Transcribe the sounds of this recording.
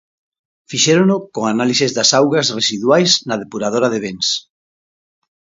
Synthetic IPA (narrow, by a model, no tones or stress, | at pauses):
fiʃeɾonokoŋanalisezðasawɣasresiðwajsnaðepuɾað̞oɾaðeβ̞ens